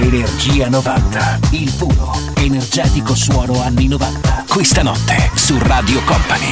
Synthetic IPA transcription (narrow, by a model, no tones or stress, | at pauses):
enerd͡ʒiːanovant̪ailfuːno | enerd͡ʒɛːt̪ikoswɔːnoanːinovant̪ḁkwest̪anɔt̪ːesuraːd̪jokɔmpani